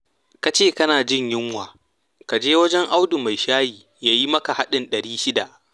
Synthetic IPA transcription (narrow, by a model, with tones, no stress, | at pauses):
ka˨t͡ʃeː˦˨kɐ˦naː˨d͡ʒɪ˦˨ɲjɪ˦ŋwaː˨ | ka˨d͡ʒeː˦wɐ˦d͡ʒɛ˦ŋʔa˦wdʊ˨ma˨jʃaː˦jiː˨ | jaː˦ji˦mɐ˦ka˨ha˦ɗɪ˨nɗɐ˨ɾiː˦ʃɪ˦da˨ʔ